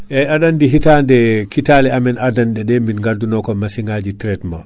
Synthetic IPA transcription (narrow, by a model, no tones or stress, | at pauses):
ʔɛadandiɦitandɛkitalɛamɛnadanɗɛɗɛminŋɡadunɔkɔmasiŋɡad͡ʒitɾɛtma